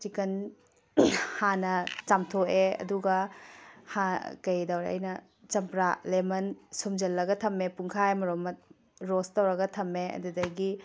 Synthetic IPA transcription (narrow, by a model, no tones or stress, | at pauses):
t͡ʃikɐn | hanɐt͡ʃamtʰoʔeɐ̰duɡɐ | hakɐjdɐwɾeɐ̰jnɐ | t͡ʃɐmpɾalemɐnsumd͡ʒɐlːɐɡɐtʰɐmepuŋkʰaemɐɾomɐt̚ | ɾostɐwɾɐɡɐtʰɐmeɐ̰dudɐɡi